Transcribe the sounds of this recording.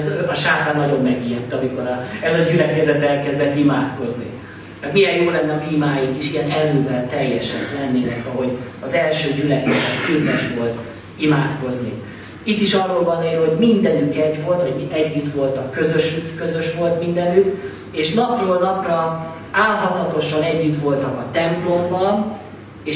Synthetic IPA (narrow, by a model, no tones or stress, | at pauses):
t̪ɒʃaːt̪aːnːɒɟo̞mːɛɡiːjɛt̪ːɒmiko̞ɾɒɛzɒɟylɛkɛzɛt̪ɛlkɛzd̪ɛt̪ːimaːt̪ko̞znḭ | mɛk̪mijɛjjoːlɛnːɛɒbiːmaːjikiʃijɛnɛløːvɛlt̪ɛjːɛʃɛk̪lɛnːeːlɛkɒɦo̞ɟɒzɛlʃøːɟylɛkɛzɛt̪kiːpɛʃʋo̞lt̪ | imaːt̪ko̞znḭ | it̪ːiʃɒrːoːlbɒnːɛeːlho̞ɟmind̪ɛnykɛɟʋo̞lt̪ʋɒɟɛɟːyt̪ʋo̞lt̪ɒkːø̞zøʃykkøzø̞ʃʋo̞lt̪mind̪ɛnyk | eːʃnɒpjoːlnɒprɒ | aːlɦɒt̪lɒt̪o̞ʃɒnɛɟːyt̪ʋo̞lt̪ɒkɒt̪ɛmplo̞mbɒl | eː